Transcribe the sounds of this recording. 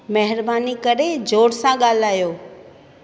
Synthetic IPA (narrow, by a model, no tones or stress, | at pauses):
mɛɦɪɾbaːnikəɾed͡ʒoːɽsãɠaːl̤aːjoː